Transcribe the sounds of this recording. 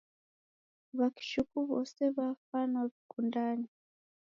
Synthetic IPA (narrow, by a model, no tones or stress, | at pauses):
βaki̥ʃukuβo̰seβafanaβikundani